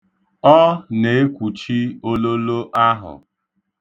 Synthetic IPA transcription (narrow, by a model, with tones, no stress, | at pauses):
ɔ˦ne˨e˦kʷu˨t͡ʃi˦o˦lo˦lo˦ʔa˦ɦʊ̰˨